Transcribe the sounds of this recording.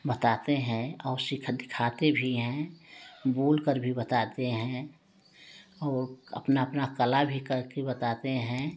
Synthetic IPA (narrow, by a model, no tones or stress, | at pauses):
bət̪at̪eɦɛ̃ɔːɾsɪkʰd̪ɪkʰaːt̪ebʱiɦɛ̃ | buːlkəɾbʱibət̪aːt̪eɦɛ̃ | ɔːɾə̰pnaəpnakəlabʱikəɾkebət̪at̪eɦɛ̃